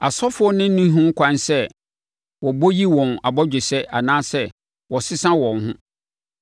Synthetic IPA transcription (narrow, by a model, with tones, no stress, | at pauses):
a˨sɔ˦fʊ˦ɔ˦nɪ̃˦nĩ˦ɦʊ̃˦kʷʰã˦nsɛ˦ | wɔ˨bo˦ji˦wɔ̃˨na˨bɔ˦d͡ʑᶣɪ˨sɛ˦ʔa˨nãː˦sɛ˦ | wɔ˨sɪ˦sã˦wɔ̃˨nɦʊ̃˦